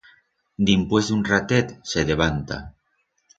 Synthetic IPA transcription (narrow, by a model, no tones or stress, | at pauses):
d̪impwezd̪unrat̪et̪seðeβ̞ant̪a̰